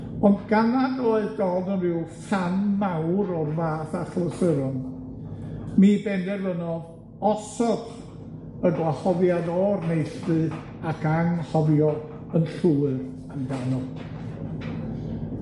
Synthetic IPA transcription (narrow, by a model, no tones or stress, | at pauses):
ɔndɡanadloɨðdɔdənvɪwfanmawɾɔrvaːθaɬɔsəɾɔn | miːbɛndɛrvənɔ | ɔsɔd | ənɡwahɔvjaðɔrnejɬpɨ | akʰaŋhɔvjɔ | ənɬuːɨr | andanɔd̥